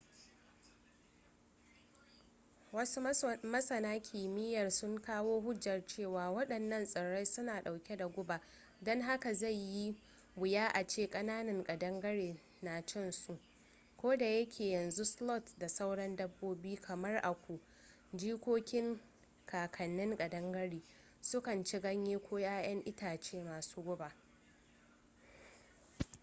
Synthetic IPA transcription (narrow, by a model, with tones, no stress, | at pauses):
ɐ˦mɐ˦sɐ˨naː˦kʲʰiː˨mɪ˦jɐ˨rsʊ˦ŋkaː˦woː˦ɦʊ˦d͡ʒjɐ˨rt͡ʃeː˦˨waː˨wɐ˦ɗɐ˨nːɐ˦nsʼɐ˨ɽa˦jsʊ˦naː˨ɗa˨wkʲe˦da˨ɡʷʊ˦ba˨ | dɔ˦ŋɦa˦ka˨za˦˨jjːi˦ | bʊ˨jaː˦ʔa˨t͡ʃeː˦kʼɐ˦naː˦nɐ˨ŋkʼɐ˨dɐ˦ŋɡɐ˦ɽeː˨ | na˨t͡ʃɐ˦nsu˨ʔ | kʷoː˦da˨jɐ˦kʲʰeː˨jɐ˨nzu˦slɔ˦˨tda˨sa˦wɽɐ˦ndɐ˦bːoː˦biː˦kʰɐ˨mɐ˦rʔa˨kʷu˨ | d͡ʒiː˦kʷoː˦kʲɪ˦ŋ | kʰaː˨kʰɐ˨nːɪ˦ŋɡʼɐ˨dɐ˦ŋɡɐ˦ɽiː˨ | sʊ˦kɐ˨nt͡ʃɪ˦ɡɐ˦ɲjeː˦kʷoː˦jaː˦j̰ɐ˦ŋʔɪ˦taː˨t͡ʃeː˦maː˨suː˦ɡʷʊ˦ba˨